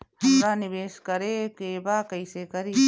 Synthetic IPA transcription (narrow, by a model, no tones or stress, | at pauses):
hɐmɾaːnɪʋeːskəɾekeːbaːkəjsekɐɾiː